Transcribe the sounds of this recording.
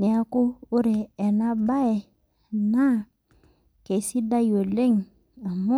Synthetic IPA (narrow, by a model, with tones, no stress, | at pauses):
nɛ˨a˦kuː˦ɾeː˨na˦ba˦ɛ˨ | na˦ | ke˨si˦da˦jo˨le˦ŋ | a˨mu˦